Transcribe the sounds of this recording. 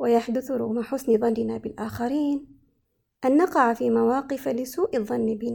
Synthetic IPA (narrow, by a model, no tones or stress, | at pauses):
wajaħd̪ʊθɾʊ̰ɣmaħʊsnɪðˤɑnːɪnabɪlʔaːxaɾiːn | ʔanːɑqɑʕfiːmawɑːqɪfalɪsuːʔɪðˤːɑnːbɪna